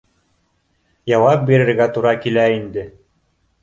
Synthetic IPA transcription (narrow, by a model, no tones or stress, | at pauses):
jɑwɑp̚biɾɘ̆ɾɡæt̪uɾɑkilæind̪ɘ